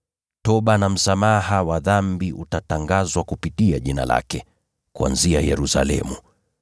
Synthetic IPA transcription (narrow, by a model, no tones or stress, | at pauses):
tɔɓanam̩samaɦawaðambiʔutataŋɡazwakupitiaʄina̰la̰kɛ | kua̰nziajɛɾusa̰lɛ̰mu